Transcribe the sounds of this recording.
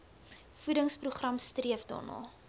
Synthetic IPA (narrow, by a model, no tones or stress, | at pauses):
fudəŋspruχrɐmstriəfdɑ̰ːnɑ̰ː